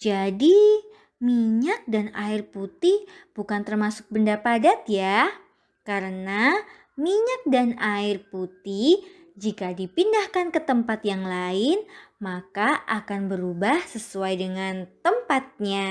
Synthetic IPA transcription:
d͡ʒadi | miɲak̚danaɪrput̪ɪhb̥ukant̪ərmasʊ̥k̚bəndapadat̪ja | kaɾəna | miɲak̚danaɪrput̪ɪh | d͡ʒikadipindahkankət̪əmpat̪jaŋlaɪnmakaʔakanbəɾubahsəsuajdəŋant̪əmpat̪̚ɲa

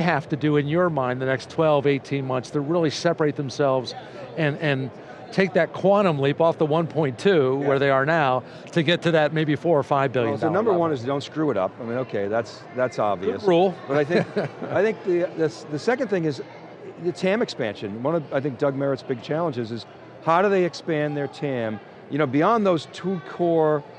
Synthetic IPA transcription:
ɪɦæftɨdɨɨ̃njə˞mãɪ̃nðɨnɛkstʰw̥ɛlˠveɪtʰĩnmʌ̃nθstɨɹɪlˠisɛpə˞eɪt̪̚ðə̃m̩sɛlˠvz | ɨ̃nɨ̃n | tʰeɪk̚ðɨt̚kʰw̥ɑɾ̃ə̃mlipɔfðəwʌ̃npʰɔ̃ɪ̃ntʰʉwə˞ðeɪə˞naʊ | ɾɨɡɛtʰɨðɨt̚meɪbifɔɹə˞faɪvbɪlˠjɨnnʌ̃mbə˞wʌ̃nɨzdõʊ̃ntskɹʉəɾʌ̰paɪmĩñoʊkʰeɪðæts | ðætsɑbviɨ̰sɹulˠb̥ʌɾaɪθɪ̃kaɪθɪ̃ŋk̚ðiðɨsðɨsɛkɨ̃nd̪θɪ̃ŋɨz | ɨtʰæ̃mɨkspæ̃nʃɨ̃nwʌ̃nʌvaɪθɪ̃ŋk̚d̥ʌɡ̚mɛɹɨtsb̥ɪɡ̚t͡ʃʰælˠə̃nd͡ʒɨzɨz̥ | haʊɾɨðeɪɨkspæ̃nðə˞tʰæ̃m | jɨnoʊbiɑ̃nðoʊz̥tʰukʰɔɹ

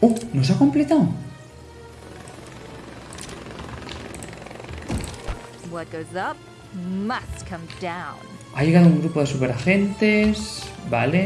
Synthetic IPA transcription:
onosako̞mplet̪aw | wʌt̚ɡ̥oʊzʌp̚ | mʌskʰʌ̃mdãʊ̃n | ajeɣaðouŋɡɾupoð̞e̞supeɾaxent̪esbale

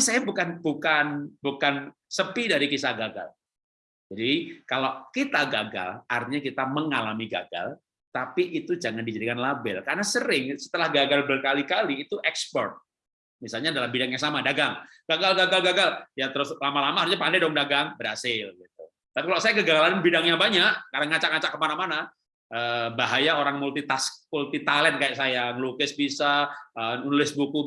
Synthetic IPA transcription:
isajabukanbukanbukan | səpidaɾikisahɡaɡa̰l | d͡ʒadikalakit̪aɡaɡa̰lart̪iɲakit̪aməŋalamiɡa̰ɡa̰l | t̪apiʔit̪ud͡ʒaŋandid͡ʒadikanlabɪ̰lkaɾənasəɾɪŋsə̥t̪əlahɡaɡalbərkalikaliːt̪uʔɛkspɔ̰rt̪̚ | misalɲadalambidaŋjaŋsamadaɡaŋ | ɡ̥aɡalɡaɡalɡaɡaljat̪əɾʊslamalamaɦaɾusɲapandahdoŋdaɡaŋbəɾhasɪlɡit̪̚u | t̪apikalosajakəɡaɡalananbidaŋjaŋbaɲaʔkaɾnaŋat͡ʃaʔŋat͡ʃaʔkəmanamana | ʔəːbaɦajaoɾaŋmult̪it̪asmult̪it̪alɛnkajaʔsajaŋəlukɪsbisaəunulɪsbuku

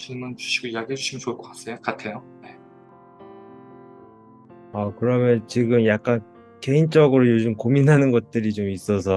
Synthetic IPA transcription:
t͡ɕʰimunt͡ɕu̥ɕʰiɡoijaɡiɦed͡ʑuɕʰiment͡ɕoɭk͈ʌkas͈ejok͈atʰe̞jone̞ | ʌkɯɾʌmjʌnt͡ɕiɡɯmjak̚k͈an | ke̞int͡ɕ͈ʌɡɯɾojod͡ʑɯmkominɦanɯnɡʌt̚t͈ɯɾit͡ɕomis͈ʌsʰʌ

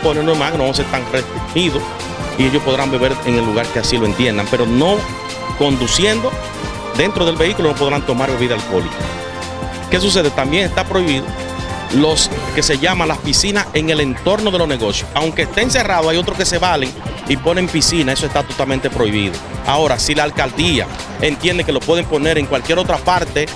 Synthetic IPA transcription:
ponenwemaɣenoos̬est̪aŋrest̪ɾihiðo̞s | ieʝo̞spo̞ðɾambeβe̞ɾeŋe̞lːuɣaɾkeasilo̞e̞nt̪je̞nd̪ampe̞ɾo̞no̞ | ko̞nd̪usje̞nd̪o̞ | d̪e̞nt̪ɾo̞ð̞e̞lβe̞ikulono̞p̬o̞ðɾant̪o̞maɾβeβiðalko̞lḭko | ke̞s̬us̬e̞ðe̞t̪ambje̞ŋe̞st̪apɾo̞iβiðo | lo̞ske̞se̞ʝamalaspisinase̞ŋe̞le̞nt̪o̞ɾno̞ð̞e̞lone̞ɣo̞sjosawŋkeːst̪eːnse̞raðoajo̞t̪ɾoske̞se̞βaleŋ | ipo̞ne̞mpisinae̞soest̪at̪o̞t̪almẽnt̪e̞pɾo̞iβ̞ḭðo̞̰a̰o̞ɾasilaːlkald̪ia̰ | e̞nt̪je̞nd̪eke̞lo̞pwe̞ð̞e̞mpo̞ne̞ɾeŋkwalkje̞ɾo̞t̪ɾapaɾt̪e̞

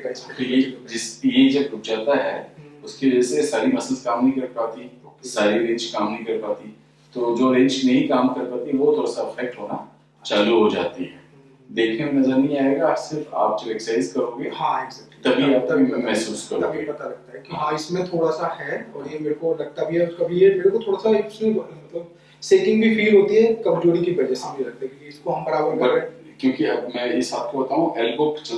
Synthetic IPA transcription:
t̪ojed͡ʒɪsjed͡ʒɐb̚ʊd͡ʒaːt̪aɦɛ̰ʊskeʋɐd͡ʒɛsesaːɾimɐsəlzkaːmnɐɦĩkɐɾpaːt̪iɛ̃saːɾiɾẽːɲt͡ʃkaːmnɐɦĩkɐɾpaːt̪iɛ̃ | t̪oːd͡ʒoːɾẽːɲd͡ʒnɐɦĩkaːmkɐɾpaːt̪iɦɛ̃ʋot̪ʰoːɽasaɪfɛk̚ʈɦoːna | t͡ʃaːluɦod͡ʒa̰ːt̪iɦɛː | d̪eːkʰẽmnɐzəɾnɐɦĩaːeɡasɪɾfa̰ːp̚t͡ʃelɛksaːɪzkɐɾoːɡeɦãeɡzɛːk̚ʈit̪ɐbʱiat̪ɐbimɛɦsuːskɐɾɐbʱipɐt̪aɾɐɡ̚t̪aɦɛkiɦãːɪsmẽt̪ʰoːɽasahɛɔːɾjemeːɾekolɐɡ̚t̪abʱiɦɛkɐbʱiɛmeːɾekot̪ʰoːɽasaeksənbɐnit̪ɐ | seːkɪ̃ŋɡbʱifiːlɦoːt̪iɦɛkɐmd͡ʒoːɽikibɐd͡ʒɛsemʊd͡ʒʱelɐk̚t̪abikiɪskoɦɐ̃mbɐɽabɐbɐe | kjõːkiɐbmɛ̃ːɪsbaːt̪̚kobɐt̪aːɦũʔɛːlbʊkt͡ʃɐ

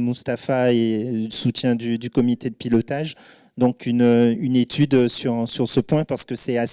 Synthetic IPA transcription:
must̪afaeəsut̪jɛ̃d̪yd̪ykɔmit̪ed̪əpilɔt̪aʒ | d̪ɔ̃kʰynøynet̪ʰyd̪syʁsyʁsəpwɛ̃paʁsə̥kəsɛas

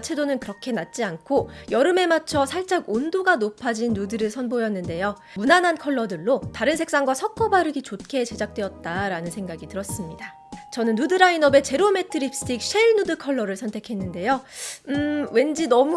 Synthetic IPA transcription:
t͡ɕʰe̞donɯnkɯɾʌkʰe̞nat̚t͡ɕ͈iankʰojʌɾɯme̞mat͡ɕʰʌsʰaɭt͡ɕ͈aɡondoɡanopʰad͡ʑinːudɯɾɯɭsʰʌnbojʌnːɯnde̞jo | munanɦankʰʌɭːʌdɯɭːotaɾɯnsʰe̞k̚s͈aŋɡwasʰʌk̚k͈ʌbaɾɯɡit͡ɕot̚kʰe̞t͡ɕe̞d͡ʑak̚t͈weʌt̚t͈aɾanɯnsʰe̞ŋɡaɡitɯɾʌs͈ɯmɲida | t͡ɕʌnɯnːudɯɾainʌbe̞t͡ɕe̞ɾome̞tʰɯɾip̚s͈ɯ̥tʰik̚ɕ͈ʰeiɭnudɯkʰʌɭːʌɾɯɭsʰʌntʰe̞kʰe̞nːɯnde̞jo | we̞nd͡ʑinʌm

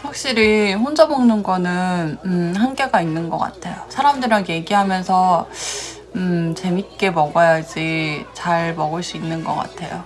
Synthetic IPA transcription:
ɸwak̚ɕ͈iɾiɸond͡ʑʌbʌŋnɯnɡʌnɯnɯhanɡe̞ɡainːɯnɡʌk͈a̰tʰe̞josʰaɾamdɯɾaɡje̞ɡiɦamjʌnsʰʌ | ɯt͡ɕe̞mit̚k͈e̞mʌɡʌjad͡ʑit͡ɕaɭmʌɡɯɭs͈uinːɯnɡʌk͈a̰tʰejo

